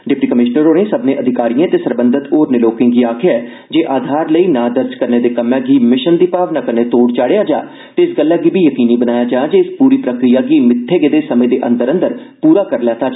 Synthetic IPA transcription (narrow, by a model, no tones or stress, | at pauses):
ɖɪp̚ʈiːkəmɪʃnəɾoːnẽːsəbnẽːʔəd̪ʱɪkaːɾijãːt̪eːsəɾbənd̪ət̪oːɾneloːkɪ̃ŋɡiːaːkʰjaɛː | d͡ʒeːʔaːd̪ʱaːɾləiːnãːd̪əɾd͡ʒkəɾneːd̪eːkəmɛ̃ːɡiːmɪʃənd̪iːpaːʋnaːkəneːt̪oːɽt͡ʃaːɽejaːd͡ʒaː | t̪eɪsɡəlːaːɡiːbiːjəkiːniːbənaːjaːd͡ʒaːd͡ʒeːɪspuːɾiːpɾəkɾijaːɡiːmɪt̪ʰːeːɡeːd̪eːsəmẽːd̪eːʔə̰̃nd̪əɾə̃nd̪əɾ | puːɾaːkəɾlaːt̪ʰaː